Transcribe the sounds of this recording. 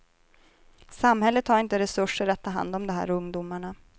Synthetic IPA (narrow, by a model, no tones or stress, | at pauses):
samhɛlːət̪ʰhaɾɪnt̪əɾɛsɵʂːəɾat̪ʰːɑːɦa̰nd̪ɔmd̪ɔmɦæ̰ːɾɵŋd̪umaɳa